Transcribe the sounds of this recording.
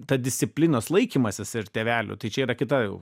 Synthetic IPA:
t̪ɐd̪ʲɪsʲt̪ʲsʲɪpʲlʲɪnoːslˠɐɪkʲiːmɐsʲɪsɪɾt̪ʲeːʋʲæːlʲʊ̰t̪ɐɪt͡ʃʲɛiːɾɐkʲɪt̪ɐjɛʊ

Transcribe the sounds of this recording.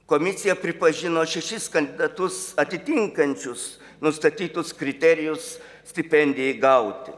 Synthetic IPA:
komʲɪsʲɪjɛpʲɾʲɪpɐʒʲɪnoːʃʲɛʃʲɪskɐnʲd̪ʲɪd̪ɐt̪ʊsɐt̪ʲɪt̪ʲɪŋkɐnʲt͡ʃʲʊs | nʊst̪ɐt̪ʲiːt̪ʊskɾʲɪt̪ʲɛɾʲɪjʊs | sʲt̪ʲɪpʲɛnʲd̪ʲeɡɐʊt̪ʲɪ̰

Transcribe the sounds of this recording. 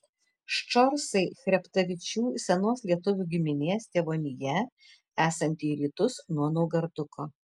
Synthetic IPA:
ʃt͡ʃɔɾsɐɪxʲɾʲɛpt̪ɐʋʲɪt͡ʃʲuːsʲɛnoːslʲiɛt̪ʊʋʲuːɡʲɪmʲɪnʲeːst̪ʲeːʋoːnʲɪjɛ | æːsɐnʲt̪ʲiːɾʲiːt̪ʊsnuɔnɔʊɡɐɾd̪ʊkoː

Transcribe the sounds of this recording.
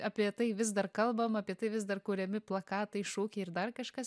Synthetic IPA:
ɑːpʲiɛt̪ɐɪʋʲɪzd̪ɐrkɐlˠbɐmɐːpʲiɛt̪ɐɪʋʲɪzd̪ɐrkuːɾʲɛmʲɪplˠɐkɑːt̪ɐɪʃoːkʲɛɪrd̪ɐrkɐʃkɐs

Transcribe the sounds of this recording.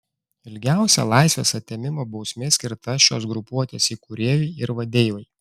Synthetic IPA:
ɪlʲɡʲæˑʊsʲɛ̰lˠɑˑɪsʲʋʲeːsɐt̪ʲːemʲɪmoːbɒʊsʲmʲeːsʲkʲɪɾt̪ɐʃʲo̰ːs̬ɡɾʊpuɔt̪ʲeːsiːkʊɾʲeːjʲɛɪɪɾʋɐd̪ʲeːjoj

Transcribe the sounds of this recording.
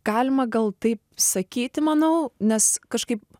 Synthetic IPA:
ɡ̥ɑːlʲɪmɐɡɐlˠt̪ɐɪp̚sɐkʲiːt̪ʲɪmɐnɐʊnʲɛskɐʃkɐɪp̚

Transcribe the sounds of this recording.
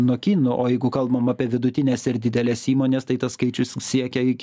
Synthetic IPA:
nuɔkʲiːnʊʔoːjɛɪɡʊkɐlˠbɐmɑːpʲiɛʋʲɪd̪ʊt̪ʲɪnʲɛːsɪɾd̪ʲɪd̪ʲɛlʲɛsiːmoːnʲeːst̪ɐɪt̪ɐsskɐɪt͡ʃʲʊssʲiɛkʲɛɪkʲ

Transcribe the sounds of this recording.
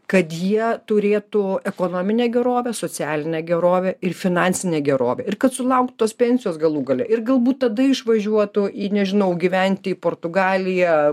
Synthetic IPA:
kɐt̪jiɛt̪ʊɾʲeːt̪ʊɛkoːnoːmʲɪnʲeːɡʲɛɾoːʋʲɛsoːt͡sʲæːlʲɪnʲɛːɡʲɛɾoːʋʲɛɪrfʲɪnɑːnʲsʲɪnʲeːɡʲɛɾo̰ːʋʲɛɪrkɐt̪sʊlˠɐʊk̚t̪t̪oːspʲɛnʲsʲɪjoːsɡɐlˠuːɡɐlʲɛ̰ʔɪrɡɐlˠbuːt̪tɐd̪ɐɪʃʋɐʒʲuɔt̪ʊʔiːnʲɛʒʲɪnɐʊɡʲiʋʲɛnʲt̪ʲɪipoːrt̪ʊɡɑːlʲɪjɛ

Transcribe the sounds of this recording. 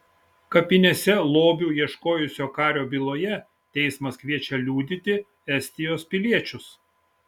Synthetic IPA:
kɐpʲɪnʲeːsʲɛlˠoːbʲuːiɛʃkoːjʊsʲoːkɑːɾʲoːbʲilˠoːjɛ | t̪ʲɛɪsmɐskʋʲiɛt͡ʃʲɛlʲuːd̪ʲɪt̪ʲɪ | ɛsʲt̪ʲɪjoːspʲɪlʲiɛt͡ʃʲʊs

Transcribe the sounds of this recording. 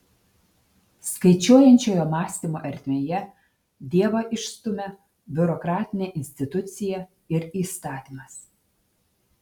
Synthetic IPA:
skɐɪt͡ʃʲoːjɛnʲt͡ʃʲoːjoːmɑːsʲt̪ʲimoʔɐɾʲt̪ʲmʲeːjɛ | d̪ʲiɛʋɐʔɪʃst̪ʊmʲe | bʲʊɾɔkɾɑːt̪ʲɪnʲeʔɪnʲsʲt̪ʲɪt̪ʊt̪sʲɪjɛ | ɪɾiːst̪ɑːt̪ʲimɐs

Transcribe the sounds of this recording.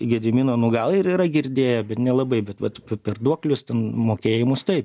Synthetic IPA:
ɡʲɛd̪ʲɪmʲiːnoːnʊɡɐlˠɪɾiːɾɐɡʲɪɾʲd̪ʲeːjɛbʲɛt̪nʲɛlˠɐbɐɪbʲɛt̪ʋɐt̪pʲɛpʲɛrd̪uɔklʲʊst̪ʲɛnmoːkʲeːjɪmʊst̪ɐɪp

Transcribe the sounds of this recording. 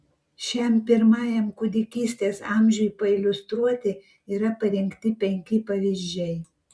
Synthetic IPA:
ʃʲɛmpʲɪɾmɑːjɛmkʊd̪ʲɪkʲiːsʲt̪ʲeːsɑːmʲʒʲujipɐɪlʲʊst̪ɾuɔt̪ʲɪ | iːɾɐpɐɾʲɪŋʲkt̪ʲɪpʲɛŋʲkʲɪpɐʋʲiʒʲd͡ʒʲɛɪ

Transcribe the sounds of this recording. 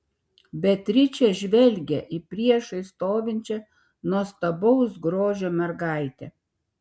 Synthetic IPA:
bʲɛt̪ʲɾʲɪt͡ʃʲɛʒʲʋʲɛlʲɡʲɛʔipʲɾʲiɛʃɐɪst̪oːʋʲɪnʲt͡ʃʲɛ | nuɔst̪ɐbɐʊsɡɾoːʒʲoːmʲɛɾɡɑˑɪt̪ʲɛ̰

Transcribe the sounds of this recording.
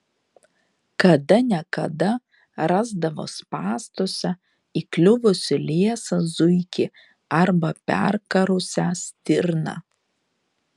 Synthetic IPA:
kɐd̪ɐnʲɛkɐd̪ɐ | ɾɑːzd̪ɐʋo̰ːspɑːst̪oːsʲɛ | iklʲʊʋʊsʲɪlʲeiɛsɐzʊɪkʲɪ | ɐɾbɐpʲɛ̰ɾkɐɾʊsʲæsʲt̪ʲɪɾnɑ̰ː

